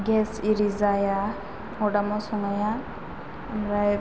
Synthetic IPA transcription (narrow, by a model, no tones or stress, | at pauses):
ɡɛsiɾizaja | hɔɖamɔsɔŋaja | amɾaj